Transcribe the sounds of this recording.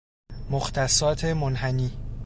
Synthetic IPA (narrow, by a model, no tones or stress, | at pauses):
moxt̪ʰæsɒːt̪ʰe̞monɦæniː